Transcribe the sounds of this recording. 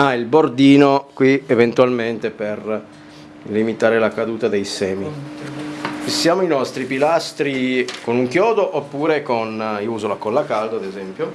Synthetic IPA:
ailbord̪iːnokwievent̪ualment̪eper | limit̪aːɾelakad̪uːt̪ad̪ejsɛːmi | sjaːmoinɔst̪ɾipilast̪ɾikonuŋkjɔːd̪oʔopːuːɾekoniuːzolakolakald̪oad̪ezɛmpjo

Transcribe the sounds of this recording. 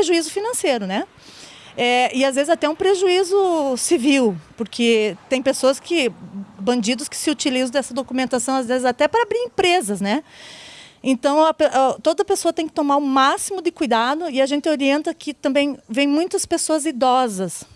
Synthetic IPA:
eʒuizʊfinɐ̃seɾʊnɛ | ɛɪazvezɪzat̪ɛũpɾeʒuizʊsiviwpoɾkʰet̪ẽj̃pesoɐskʰɪbɐ̃nd͡ʒid̪ʊskɪ̥sɪut͡ʃilizɐ̃d̪ɛsɐd̪okumẽnt̪asɐ̃w̃azvezɪzat̪ɛpɾɐabɾiɾẽpɾezɐsnɛ | ẽnt̪ɐ̃w̃ɐpeʔɛt̪od̪ɐpesoɐt̪ẽj̃kɪt̪omaɾʊ̃masimʊd̪ɪkujd̪ad̪ʊɪaʒẽnt̪ɪoɾiẽnt̪ɐkʰɪt̪ɐ̃mbẽj̃vẽj̃mũj̃t̪ɐspesoɐzid̪ɔzɐs

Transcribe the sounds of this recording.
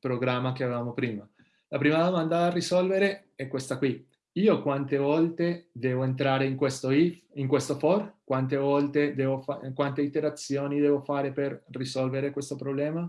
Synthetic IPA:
pɾoɡɾamːakeavevaːmopɾiːma | lapɾiːmad̪omand̪ad̪arisɔlveɾe | ɛkːwest̪akwi | iːokwant̪evɔlt̪ed̪ɛːvoent̪ɾaːɾeiŋkwest̪oifiŋkwest̪ofɔrkwant̪evɔlt̪ed̪ɛːvofakwant̪eit̪eɾat̪sːjoːnid̪ɛːvofaːɾeperːisɔlveɾekwest̪opɾoblɛːma

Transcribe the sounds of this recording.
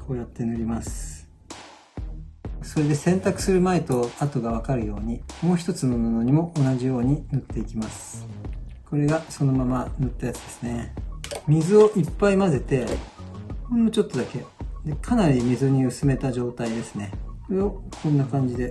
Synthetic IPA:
kʰo̞ːjat̪ːe̞nɯ̟ɾʲimasɨ̥ | so̞ɾe̞d̪e̞sẽ̞nt̪akɯ̟̥sɨɾɯ̟mae̞t̪oat̪o̞ɡaβ̞akaɾɯ̟jo̞ːɲ̟imo̞ːçi̥t̪o̞t͡sɨnonono̞ɲ̟imo̞ʔːnaʑijo̞ːɲ̟inot̪ːe̞ikʲimasɨ̥ | ko̞ɾe̞ɡaso̞nomamanɯt̪ːajat͡sɨ̥d̪e̞sɨ̥ne̞mʲizɨo̞ʔipːaimaze̞t̪e̞ | oemot͡ɕo̞t̪ːo̞d̪ake̞d̪e̞kʰanaɾʲimʲizɨɲ̟iɯ̟sɨme̞t̪aʑo̞ːt̪aid̪e̞sɨne̞koɾeo̞kʰõ̞nːakãɲ̟d͡ʑid̪e̞

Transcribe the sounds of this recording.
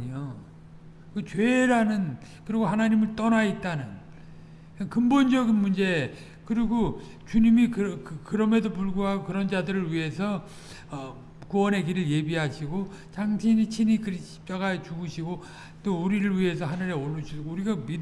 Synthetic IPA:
ɲo | kɯt͡ɕeɾanɯn | kɯɾiɡoɦanaɲimɯɭt͈ʌnait̚t͈anɯn | nkɯmbond͡ʑʌɡinmund͡ʑe̞ | kɯɾiɡo | t͡ɕuɲimikɯɾʌkkɯɾʌme̞dop̬uɭɡuɦaɡokɯɾʌnd͡ʑadɯɾɯɭɥiɦe̞sʰʌ | ʌ | kuwʌnɦe̞ɡiɾɯɭje̞biɦaɕʰiɡo | t͡ɕaŋɕʰiɲit͡ɕʰinikɯɾiɕʰi̥p̚t͡ɕ͈aɡaet͡ɕuɡɯɕʰiɡo | t͈ouɾiɾɯɭɥiɦe̞sʰʌɦhanɯɾe̞oɭːud͡ʑʰiuɾiɡami

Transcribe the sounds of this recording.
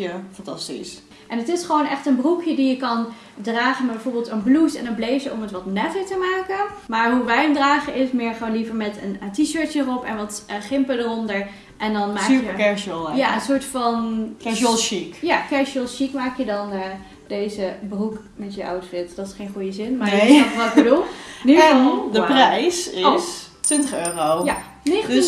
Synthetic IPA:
afɑ̃ntɑ̰stḭs | ʔɛnətɪsχəʋownɛχtənbrukʰjədijəkɑn | draːχənmɛdbɛjvoːɹbɪlˠtənblusɛ̰nənblejfjəʔɔmətʋɑtnɛfətəmaːkənmaːɹɦuʋɛjəmdraːχənɪsmɪːɹχəʋoːnlivəɹmɛtəntiʃøːɹtjəərɔpɛnʋɑtχɪmpədərɔndəɹ | ʔɛndɑnmaːkːəəkɛɹʃəlˠjaənsʊːɹtfɑnkɛɹlʃikjakɛɹʃəlˠʃikmaːkjədɑnə | d̥ejzəbəruk | mɛtjəʔa̰wtfɪtdɑtɪsχejnχujəzɪnmaɹəɔʋɔlɡbədulˠniudəprɛjsɪs | tʋɪntəχøːroja | nɪds

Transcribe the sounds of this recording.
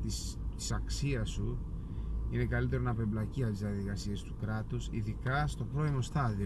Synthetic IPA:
t̪is | t̪i̥sɐksiɐsu | ine̞kɐlit̪̬e̞ɾonɐpe̞blɐciɐt̪izðiɐðiɣɐsie̞st̪ukɾɐt̪usḭðikɐst̪o̞pɾo̞imo̞st̪ɐði

